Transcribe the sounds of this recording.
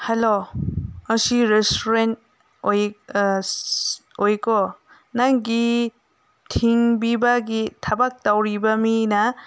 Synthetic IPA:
helomɐsiɾestuɾent̚ | oj | ojkɔ | naŋɡi | tʰiŋbibɐɡitʰɐbak̚tawɾibɐminɐ

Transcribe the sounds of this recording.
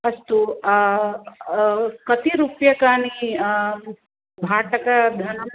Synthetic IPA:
ɐst̪u | kɐt̪iɾupjɐkaːni | bʱaːʈɐkɐd̪ʱɐnɐ

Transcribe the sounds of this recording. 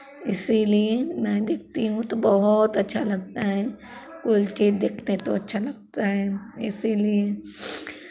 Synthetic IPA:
ɪsiliemɛ̃d̪eːk̚ʰt̪iɦũt̪obɐɦʊt̪ɐtːʃʰalɐɡ̚t̪aɦɛ | kʊlt͡ʃiːzd̪eːkʰnet̪o̰ɐtːʃʰalɐɡ̚t̪aɦɛːɪ̰silie

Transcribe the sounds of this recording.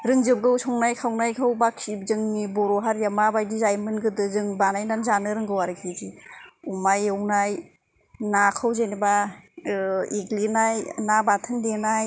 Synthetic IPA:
ɾɯŋzɯb̚ɡɯwsʰɔŋnajkʰawnajkʰawbakʰːib̚zɯŋnibɔɾɔɦaɾjamabajdizajmɯnɡɯdɯzɯŋbanajnanzanɯɾɯŋɡɯwaɾɯkʰid͡ʒiumajɯwnaj | nakʰawzeniba | eɡlinajnabatʰɯndenaj

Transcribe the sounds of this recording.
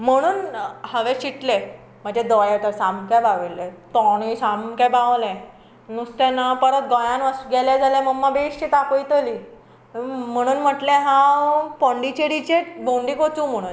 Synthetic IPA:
m̤əɽ̃uːnhəʋẽɕiʈle | m̤əd͡ʑed̪ɔjat̪əɾsãmkabaʋilːet̪ɔɽisamkabaʋlẽ | nust̪ɛnapəɾət̪̚ɡɔjãnʋəsɡɛlad͡zalãməmːabeɕt͡ɕet̪akojt̪əli | m̤əɽ̃uːnm̤əʈlɛ̃ɦãpɔɳɖit͡ɕeɾit͡ɕebõɳɖikot͡suːm̤əɽ̃uːn

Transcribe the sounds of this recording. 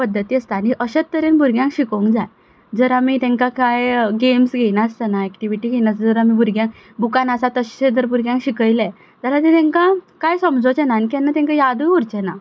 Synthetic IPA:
pəd̪ːət̪iːəst̪aniʔəɕət̪ːəɾenbuɾɡʱjãŋkɕikəũŋkd͡zaj | d͡zəɾamit̪ɛ̃ŋkakajɡemsɡʱejnast̪ənaɛkʈiʋiʈiːɡʱejnasd͡zəɾamibuɾɡjãŋk | bukanasat̪əɕɕed͡zəɾbuɾɡjãŋkɕikəjle | t̪alat̪et̪ɛ̃ŋkakajsəmd͡zot͡ɕenanikianːat̪ɛ̃ŋkajad̪ujuɾt͡ɕena

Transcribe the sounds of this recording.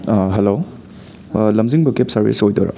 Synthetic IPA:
ɦelo | lɐmziŋbɐkep̚sɐɾbḭsojto̰ɾa̰

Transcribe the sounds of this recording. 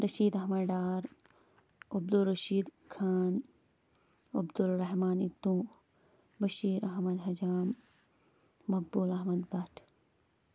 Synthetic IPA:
ɾɐʃiːd̪ɐɦmɐɖaːɾ | ɐb̚d̪ulɾɐʃiːd̪ | kʰaːn | ɐbd̪ulɾɐɦmaːnit̪ːũ | bɐʃiːɾɐɦmɐd̪ɦɐd͡ʒaːm | ɐk̚bulɐɦmɐd̪bɐʈʰ

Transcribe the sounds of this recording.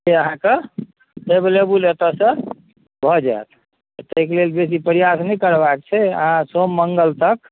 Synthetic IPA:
d͡ʒeəɦãke | eblebulet̪əsə̃ | bʱɔd͡ʒa̰et̪ | t̪əkelelbesipəɾijasnɛkəɾbak̚t͡ʃʰɛə̰ɦãsomːəŋɡəlt̪ək̚

